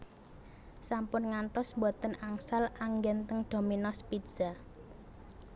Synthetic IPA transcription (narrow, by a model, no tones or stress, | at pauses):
sampʊnŋant̪ɔsmbɔt̪ənaŋsalaŋɡɛnt̪əŋɖ̪̥o̤minɔspidz̥a